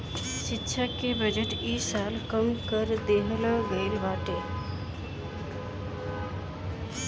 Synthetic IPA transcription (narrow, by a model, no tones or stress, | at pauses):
ʃitːɕʰakebəd͡ʑeʈiːsalkəmkəɾd̪eɦlãɡejlʋaʈe